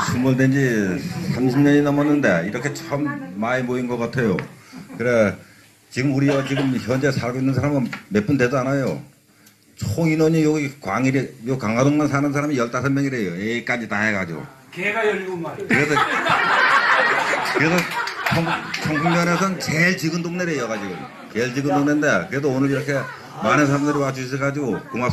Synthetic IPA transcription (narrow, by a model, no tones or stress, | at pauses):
sʰumuɭdwend͡ʑisʰamɕʰimɲʌɲinʌmʌnːɯnde̞iɾʌkʰe̞t͡ɕʰʌmːaimoinɡʌk͈atʰe̞jo̰kɯɾe | t͡ɕiɡɯmuɾiɡʌt͡ɕiɡɯmçjʌnd͡ʑe̞sʰaɭɡoinːɯnsʰaɾamɯme̞p͈ɯnde̞d͡ʑanajo̰ | t͡ɕʰoinʌɲijoɡikwaŋiɾejokaŋadoŋmansʰanɯnsʰaɾamijʌɭt͈asʰʌɭmjʌŋiɾe̞joek͈ad͡ʑitaɦeɡad͡ʑiɡo̰ | k | kɯɾesʰʌ | kɯɾe̞sʰʌt͡ɕʰʌt͡ɕʰʌŋkʰuŋmʌnesʰʌnt͡ɕeɭt͡ɕiɡɯndoŋneɾejoɡad͡ʑiɡɯm | t͡ɕeɭt͡ɕiɡɯndoŋnendekɯɾe̞d̬oonɯɾiɾʌkʰe̞ | manɯnsʰaɾamdɯɾwat͡ɕuɕ̬ʰiɭkad͡ʑiɡokoŋa